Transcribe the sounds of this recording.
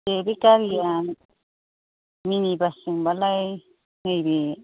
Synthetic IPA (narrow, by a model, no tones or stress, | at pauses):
tebekaɾijan | minibasiŋbalaj | hejbe